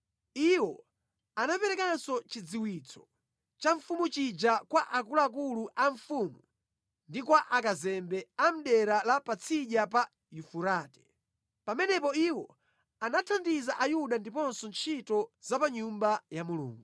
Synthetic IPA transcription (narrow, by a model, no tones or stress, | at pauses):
iwɔ | anapɛɾɛkansɔt͡ʃid͡ziwit͡sʰɔ̥ | t͡ʃaɱfumut͡ʃid͡ʒakwaʔakulaːk̬uluʔaɱfuːmu | ndikwaʔakazɛmbɛam̩ɗɛɾalapat͡sʰiʄapa | jufuɾaːtɛ̥ | pamɛnɛpɔiwɔ | anatʰandizaʔajuɗandipɔnsɔnt͡ʃʰitɔzapaɲumbajamulṵːŋɡu